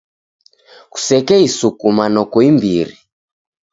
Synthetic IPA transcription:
ku̥sɛkɛisukumanɔkɔimbiɾi

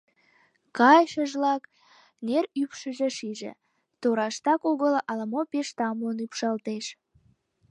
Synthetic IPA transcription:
kɑjʃəʒlɑk | neɾypʃəʒĕʃiʒḛ | t̪oɾɑʃt̪ɑkoɣəlʔɑləmopeʃt̪ɑmonypʃɑlt̪eʃ

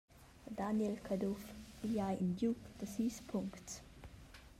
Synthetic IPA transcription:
d̪anjɛlkʰad̪ufiljajindjukd̪̥əsiːspʰuŋkts

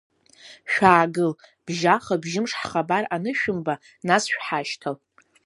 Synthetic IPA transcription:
ʃᶣaːɡɨlb̥ʒaχabʒɪmʂħχabaranɨʃᶣʊmba | nasʃᶣħaʃtʰal

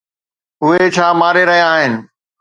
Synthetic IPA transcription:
ʊɦet͡ɕʰaːmaːɾeɾɐɦijaaːɦɪnɪ̆

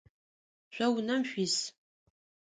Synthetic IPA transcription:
ɕʷɐwnɐmɕʷis

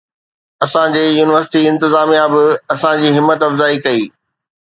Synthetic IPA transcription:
ɐsãd͡ʑeːjuːnɪʋəɾsɪʈiɪ̃nt̪ɪzaːmijabɪɐsãd͡ʑiːɦɪmːət̪ɐfzaːikɐiː

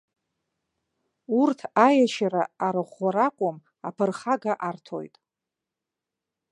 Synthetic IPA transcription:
urtʰajaʃaɾaːɾɨχʷaɾakʷʼʊm | apʰɨrχaɡaʔartʰo̞̰jtʼ

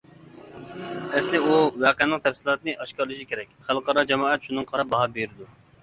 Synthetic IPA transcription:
ɛslɪuwɛːqəɛnːɨqt̪ʰɛfsɪlˠɑːt̪nɨʔɑʃkʲɑɾlˠɨʃikʲʰeɾɛkʲχælˠqɑɾɑd͡ʒɛmɑːɛt̪ʃunɨŋqʰɑɾɑp̚bɑɦɑbeɾɪd̪u

